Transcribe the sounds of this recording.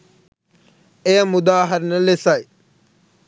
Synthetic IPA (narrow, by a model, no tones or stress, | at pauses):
ejəmʊd̪aːɦəɾnəlesaj